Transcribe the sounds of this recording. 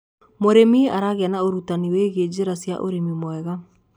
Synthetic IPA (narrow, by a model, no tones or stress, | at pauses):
moɾemiaɾaɣeanaoɾutaniweɣed͡ʒeɾasja̰ʔo̰ɾemimwɛɣa